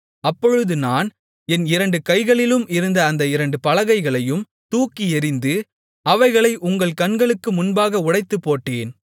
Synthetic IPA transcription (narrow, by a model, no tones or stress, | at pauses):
ɐpːɔɻɯðɯnaːn | ɛnɪɾɐɳɖɯkɐɪɣɐɭɪlɯmɪɾɯnd̪ɐːnd̪ɐɪɾɐɳɖɯpɐlɐɣɐɪɣɐɭɐjɯm | t̪uːkːiɛɾɪnd̪ɯ | ɐʋɐɪɣɐɭɐɪʔʊŋɡɐɭkɐnɡɐɭɯkːɯmʊnbaːɣɐʊɽɐɪt̪ːɯpːoːʈːeːn